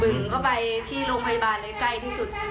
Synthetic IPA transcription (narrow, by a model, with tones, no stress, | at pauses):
bɯ˨˩ŋkʰɔ˥˩wpa˧jt̪ʰiː˥˩loː˧ŋpʰa˧ja˧baː˧nla˧˥˦ka˥˩jt̪ʰiː˥˩su˨˩t̪̚